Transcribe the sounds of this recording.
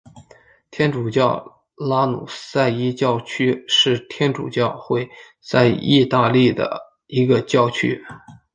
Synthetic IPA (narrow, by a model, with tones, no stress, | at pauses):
t̪ʰjɛ˥nʈ͡ʂu˨˩t͡ɕjɑ˥˩ʊ | la˥nṵ˨˩sa˥˩ɪi˥t͡ɕjɑ˥˧ʊt͡ɕʰy˥ʂɻ̩˥˩t̪ʰjɛ˥nʈ͡ʂṵ˨˩t͡ɕjɑ˥˧ʊxwe˥˧˩ɪ | t͡sa˥˧ɪi˥˧t̪a˥˧li˥˩d̪ə̰˩ | i˧˥ɡə˧t͡ɕjɑ˥˩ʊt͡ɕʰy̰˥